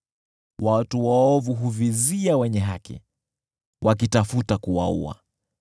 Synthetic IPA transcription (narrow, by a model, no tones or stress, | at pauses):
watuwaɔvuɦuviziawɛɲɛɦakḭ | wʔak̬itafutakuwa̰ṵa̰